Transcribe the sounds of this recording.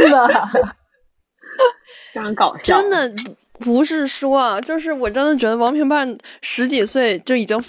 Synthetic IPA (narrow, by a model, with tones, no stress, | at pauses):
ə˩˥ | kɑ˨˩ʊʈ͡ʂə˥nd̪ə˨ | pu˧˥ʂɻ̩˥˩ʂwɔ˥ɐ˨t͡ɕjo˥˧ʊʂ̬ɻ̩˥˩wɔ˨˩ʈ͡ʂə˥nd̪ə˨˩t͡ɕɥɛ˧˥d̪ə˧wɑ˧˥ŋpʰi˧˥ŋpa˥˩nʂɻ̩˧˥t͡ɕi˨˩swe˥˩ɪt͡ɕjo˥˩ʊi˨˩t͡ɕi˥ŋ